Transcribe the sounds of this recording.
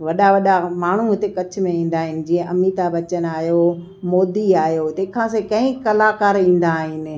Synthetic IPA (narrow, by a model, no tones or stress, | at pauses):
ʋɐɗaʋɐɗamaːɳ̤uɦʊt̪ekɐt͡ɕʰʊ̆mẽĩːnd̪aːɦɪnɪ̆d͡ʑiːə̃ʔɐmiːt̪abɐt͡ɕənaːɦjo | moːd̪iaːɦjot̪ekʰãs̬ekɐ̃ɪ̃kɐlaːkaːɾĩːn̆d̪aːɦɪnɪ̆